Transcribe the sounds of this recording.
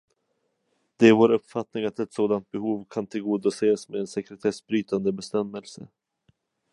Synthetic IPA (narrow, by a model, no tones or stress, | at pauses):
d̪̥ɛæɾvoːɾɵpfat̪nɪŋat̪ɛt̪soːd̪ant̪̚bɛhuːvkʰant̪ʰɪlɡuːd̪aseːsmeːnsɛkɾɛt̪ʰɛsbɾyːt̪and̪əbɛst̪ɛmːɛlsə̰